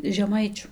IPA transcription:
ʒʲɛˈmɐɪt͡ʃʲʊ

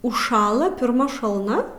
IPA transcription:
ʊʃˈʃɑːlˠɐ pʲɪrˈmɐ ʃɐlˠˈnɐ

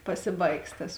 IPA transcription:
ˈpɑːsʲɪˌbɐɪks tɐs

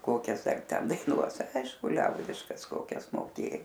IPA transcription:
ˈkoːkʲɛs ɐr ˈtʲɛn dɐɪˈnuɔs ˈɐɪʃkʊ ˈlʲɛʊdʲɪʃkɐs ˈkoːkʲɛs moːˈkʲeː

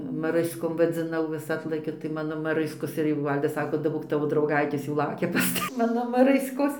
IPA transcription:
mɐˈrɨskoːm ʋɐd͡zʲɪˈnɐʊ ʋʲɪs ˈɑːtlˠɐkʲɛ tɐɪ ˈmɑːnoː mɐˈrɨskoːs ɪr jɛʊ ˈʋɐlʲdɐs ˈsɑːkoː dɐˈboːk ˈtɑːʋoː drɐʊˈɡɐɪtʲeːs jɛʊ ˈlˠɐʊkʲɛ pɐs ˈtɐ ˈmɑːnoː mɐˈrɨskoːs

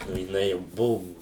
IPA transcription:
oː jɪˈnɐɪ jɛʊ ˈbʊʋʊ

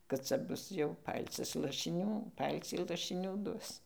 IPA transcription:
kɐt ˈt͡sɐ ˈbʊs jɛʊ ˈpɐlʲt͡sʲɪs lˠɐʃʲɪˈnʲuː ˈpɐlʲt͡sʲiː lˠɐʃʲɪˈnʲuː ˈduɔs

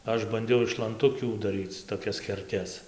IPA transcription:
ˈɐʃ bɐnʲˈdʲɛʊ ɪʃ lˠɐnˈtʊkʲuː dɐˈrʲiːt͡s toːˈkʲɛs kʲɛˈrʲtʲɛs

